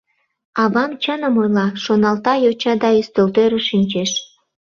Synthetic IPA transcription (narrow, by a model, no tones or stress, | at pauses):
ɑβɑmt͡ɕənə̆mojlɑʃonɑlt̪ɑjot͡ɕɑd̪ɑyst̪ølt̪øɾə̆ʃinʲt͡ɕeʃ